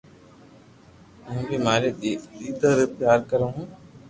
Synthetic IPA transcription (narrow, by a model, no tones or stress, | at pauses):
ɦʊ̃bʱimaːɾed̪iːd̪əɾpjaːɾkəɾãːɦũː